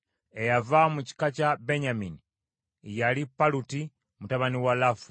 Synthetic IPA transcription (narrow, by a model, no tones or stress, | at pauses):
ejavamuci̥kacabe̞ɲamini | jalipaluti | mutaβaniwalafu